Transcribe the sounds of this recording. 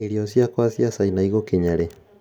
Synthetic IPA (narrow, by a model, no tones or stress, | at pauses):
eɾiɔsjakwasjasainaiɣokeɲaɾɛ